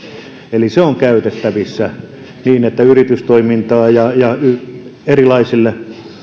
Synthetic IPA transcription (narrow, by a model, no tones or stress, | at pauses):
eliseoŋkæyt̪et̪ːæʋisːæ | niːnet̪ːæyrit̪yst̪oimint̪ɑːjɑjɑyerilɑisilːe